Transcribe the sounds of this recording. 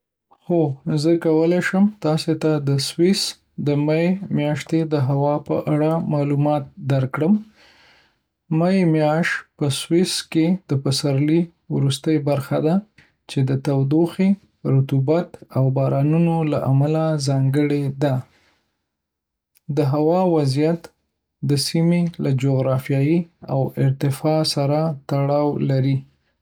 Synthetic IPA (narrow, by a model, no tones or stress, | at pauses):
xozəkawəleʃəmt̪ɑset̪ad̪əswɪs | d̪əmajemjɑʃt̪ed̪əɦawɑpə̰ʔaɽamɑlumɑt̪̚d̪aɾkɽəm | majemjɑʃt̪pəswɪsked̪̥əpəsaɾli | wɾust̪əjbaɾxad̪a | t͡ʃed̪ət̪awd̪oxe | ɾʊt̪ubat̪awbɑɾɑnunola̰ʔamalazɑŋɡəɽed̪a | d̪əɦawɑwazijat̪ | d̪əsimelad͡ʒoɣɾɑfjɑjiawɪɾt̪ɪfɑsaɾat̪aɽɑwlaɾi